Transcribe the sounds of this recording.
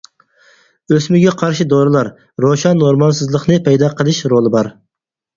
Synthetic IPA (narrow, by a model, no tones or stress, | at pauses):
øsmɪɡʲɛqʰɑɾʃɪd̪oɾɨlˠɑɾ | ɾoʃɑnːoɾmɑlˠsɨzlˠəqnɨpʰɛjd̪ɑqʰəlˠɨʃɾolˠɨbɑɾ